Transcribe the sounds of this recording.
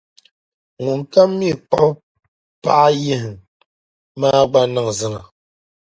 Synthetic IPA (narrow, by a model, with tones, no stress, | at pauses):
ŋu˨ŋ˨ka˦mːi˦˨k͡pɔ˦p | pa˦ʔje˦˨ŋ | maː˦ɡ͡ba˦na˦˨ŋzɨ˦˨na˨